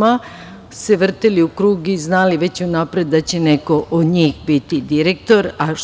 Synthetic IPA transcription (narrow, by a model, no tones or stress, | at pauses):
ma | seʋr̩t̪eliukɾuːɡiznaːliʋe̞t͡ɕunaːpɾe̞d̪d̪at͡ɕe̞neko̞ʔod̪ɲiːxbit̪id̪iɾe̞k̚t̪o̞ɾa